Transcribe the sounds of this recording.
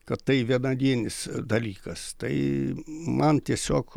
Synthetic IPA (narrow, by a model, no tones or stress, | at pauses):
kɐttɐɪʋʲiɛnɐd̪ʲiɛnʲɪsd̪ɐlʲiːkɐst̪ɐɪ | mɐnt̪ʲiɛsʲoːk